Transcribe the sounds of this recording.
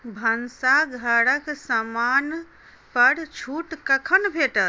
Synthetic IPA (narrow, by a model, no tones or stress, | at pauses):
bʱənsaɡʱəɽəksəman | pəɽt͡ʃʰuʈkəkʰənbʱeʈə